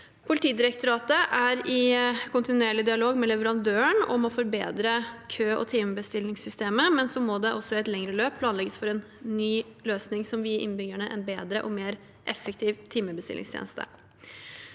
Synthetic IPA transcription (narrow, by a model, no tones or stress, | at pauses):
pʰʊlɪt̪ʰiːd̪ɪɾək̚t̪ʊɾɑːt̪əʔæɾɪkʰʊnt̪ɪnʉeːɭɪd̪ɪɑloːɡmɛlɛʋəɾɑnd̪øːəɳɔmɔfɔɾbeːd̪ɾəkʰøːʔɔ̰t̪ʰiːməbəst̪ɪlɪŋsʏst̪eːməmɛnsɔmɔd̪ɛʔɔsːɔɛt̪lɛŋɾəløːpʰːlɑːnlɛɡəsfɔɾɛnː | yːløːsnɪŋsɔmʋɪʔɪ̰nbʏɡəɳəʔɛ̰nbeːd̪ɾəʔɔmeːɾ | ʔɛfːək̚t̪ʰiːʋt̪ʰiːməbəst̪ɪ̰lɪ̰ŋst̪ʰḛːnəst̪ʰə̰